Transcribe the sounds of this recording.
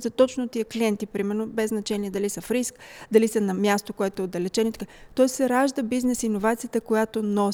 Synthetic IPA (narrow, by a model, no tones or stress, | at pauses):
zət̪ɔt͡ʃnot̪iəkliɛnt̪ipɾimɛɾnobɛznɐt͡ʃɛniɛd̪ɐlisəfɾiskd̪ɐlisənɐmjast̪okoɛt̪oɛod̪ːɐlɛt͡ʃɛnoit̪kat̪ɔɛssɛɾaʒd̪əbiznɛsinovat̪sijət̪əkojat̪onɔ